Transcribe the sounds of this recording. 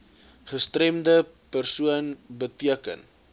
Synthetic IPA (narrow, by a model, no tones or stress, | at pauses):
χəstrɛmdə | pərsuənbətiəkə̰n